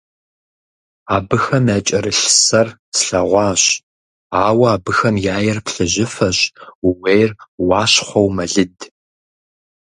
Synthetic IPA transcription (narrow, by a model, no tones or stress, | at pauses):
aːbɨxɐmjaːt͡ʃʼɐɾɨɬsɐrsʰɬɐʁʷɑːɕ | aːwɐaːbɨxɐmjaːjɛrpɬɨʑɪfɐɕuwejrwɑːɕχʷɔwmɐɮɨd